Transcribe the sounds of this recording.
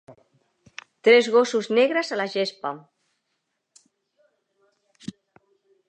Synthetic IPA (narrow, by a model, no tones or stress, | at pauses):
t̪ɾɛzɣosuzneɣɾəzalaʒespa